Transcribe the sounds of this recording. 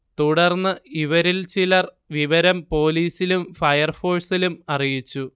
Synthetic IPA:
t̪uɽɐrnːɨiʋɐɾilt͡ɕilɐr | ʋiʋɐɾɐmpo̞ːliːsilumfɐjɐrfo̞ːrsilumɐrijit͡ɕːu

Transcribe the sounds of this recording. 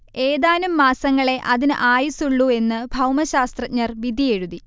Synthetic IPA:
e̞ːðaːnumːaːsɐŋːɐɭe̞ʔɐðinɨʔaːjisuɭːue̞nːɨbʱɐwmɐɕaːst̪rɐt̚ɲːɐrʋid̪ʱijeɻuði

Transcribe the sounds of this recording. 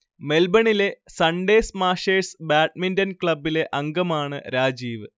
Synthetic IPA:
me̞lbɐɳile̞sɐɳɖe̞ːsmaːʂeːsbaːʈ̚mindɐnkɭɐbːile̞ʔɐŋɡɐmaːɳɨ̰ɾaːd͡ʑiːʋɨ

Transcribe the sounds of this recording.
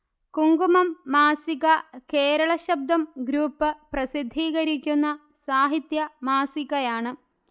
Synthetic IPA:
kuŋɡumɐmːaːsiɣɐkeːɾɐɭɐɕɐb̚d̪ʱɐmɡɾuːpːɨprɐsid̪ʱːiːɣɐɾikʲːunːɐ | saːɦit̪jɐmaːsiɣɐjaːɳɨ

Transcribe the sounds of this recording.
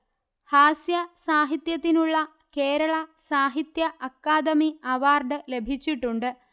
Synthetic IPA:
haːsjɐsaːɦit̪jɐt̪ːinuɭːɐ | ke̞ːɾɐɭɐsaːɦit̪jɐʔɐkːaːd̪ɐmiɐʋaːrɖɨle̞bʱit͡ɕːiʈːuɳɖɨ

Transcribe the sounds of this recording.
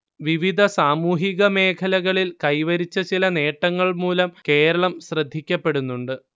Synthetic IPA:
ʋiʋid̪ʱɐsaːmuːɦiɣɐme̞ːkʰɐlɐɣɐɭilkɐjʋɐɾit͡ɕːɐt͡ɕilɐne̞ːʈːɐŋːɐɭmuːlɐmke̞ːɾɐɭɐmɕrɐd̪ʱːikʲːɐpːe̞ɽunːuɳɖɨ

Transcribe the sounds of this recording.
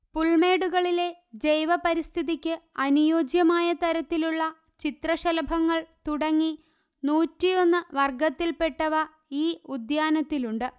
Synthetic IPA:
puɭme̞ːɽuɣɐɭile̞ | d͡ʑejʋɐpɐɾist̪ʰiðikʲːɨɐnujo̞ːd͡ʑjɐmaːjɐt̪ɐɾɐt̪ːiluɭːɐ | t͡ɕit̪rɐɕɐlɐbʱɐŋːɐɭt̪uɽɐŋːi | nuːtːijo̞nːɨʋɐrɡɐt̪ːilpe̞ʈːɐʋɐ | iːud̪jaːnɐt̪ːiluɳɖɨ

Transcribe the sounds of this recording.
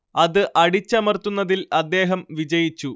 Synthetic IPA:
ɐðɨʔɐɽit͡ɕːɐmɐrt̪ːunːɐðilɐd̪ːe̞ːɦɐmʋid͡ʑɐjit͡ɕːu

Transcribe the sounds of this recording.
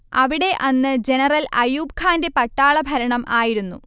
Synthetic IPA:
ɐʋiɽe̞ʔɐnːɨd͡ʑe̞nɐrɐlɐjuːb̚kʰaːnde̞pɐʈːaːɭɐbʱɐɾɐɳɐmʔaːjiɾunːṵ

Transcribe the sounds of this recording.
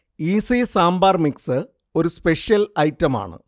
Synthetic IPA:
iːsisaːmbaːrmiksɨ | o̞ɾuspe̞ʂjɐlɐjtːɐma̰ːɳɨ̰

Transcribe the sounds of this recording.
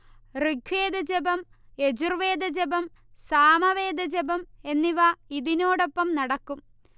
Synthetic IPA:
riɡʰwe̞ːd̪ɐd͡ʑebɐm | e̞d͡ʑurʋe̞ːd̪ɐd͡ʑebɐm | saːmɐʋeːd̪ɐd͡ʑebɐme̞nːiʋaiðino̞ːɽo̞pːɐmnɐɽɐkːum

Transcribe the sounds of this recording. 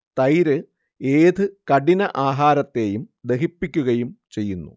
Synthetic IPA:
t̪ɐjɾɨ | eːd̪ɨkɐɽinɐʔaːɦaːɾɐt̪ːe̞ːjumd̪e̞ɦipːikʲːuɣɐjumt͡ɕe̞jːunːṵ

